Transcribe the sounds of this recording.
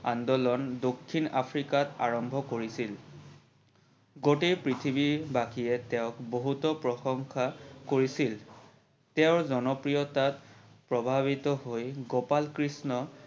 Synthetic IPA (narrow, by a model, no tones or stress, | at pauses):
andɔlɔndokʰːina̰pʰɹikata̰ɹɔmbʱɔkoɹisil | ɡotepɹitʰibibaxijɛtɛʊkboɦutɔpɹɔxɔŋxʰakoɹisil | tɛʊɹzɔnɔpɹijɔtatpɹɔbʱabitɔɦojɡɔpalkɹisnɔ